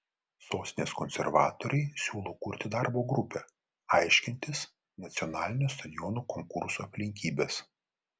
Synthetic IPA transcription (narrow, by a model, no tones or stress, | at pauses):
soːsʲnʲeːskɔnʲsʲɛ̰ɾʋɑ̰ːt̪oɾʲɛɪsʲuːlˠoːkʊɾʲt̪ʲɪd̪ɑˑɾboːɡɾʊpʲɛ | ɑɪʃʲkʲɪnʲt̪ʲɪs | nɐt̪sʲɪɔnɑːlʲɪnʲust̪ɐd̪ʲɪjɔnuːkɔŋkʊɾsuɐpʲlʲɪŋʲkʲiːbʲeːs